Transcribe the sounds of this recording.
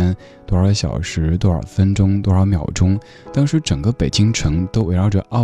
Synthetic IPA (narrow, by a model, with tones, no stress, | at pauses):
n | t̪wɔ˥˧ə˞˧˩ə˧ɕjɑ̰˨˩ʊʂɻ̩˧˥t̪wɔ˥ə̰˨˩fə˥nʈ͡ʂʊ˥ŋt̪wɔ˧˥˧ɑ˧˩˥ʊmjɑ˨˩ʊʈ͡ʂʊ˥ŋ | t̪ɑ˥ŋʂɻ̩˧˥ʈ͡ʂɤ˨˩ŋɡə˦˧pe˨˩ɪt͡ɕi˥ŋʈ͡ʂʰɤ˧˥ŋt̪o˥ʊwe˧˥ɪɻɑ˧˥ʊʈ͡ʂɤ̰˥˩ʔɑ˥˩